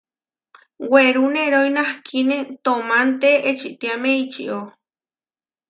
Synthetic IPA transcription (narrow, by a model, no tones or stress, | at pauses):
weɾuneɾojnahkʰinet̪omant̪eʔet͡ʃit̪iameit͡ʃḭʔo